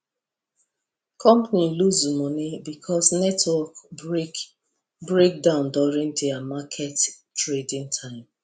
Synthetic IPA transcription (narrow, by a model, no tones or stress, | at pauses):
kʰɔ̃mpaniluzumɔnibikʰɔsnɛtwɔk | bɹek̚dãʊ̃ndɔɹĩŋdiamakʰɛt | tɹedĩŋtʰãɪ̃m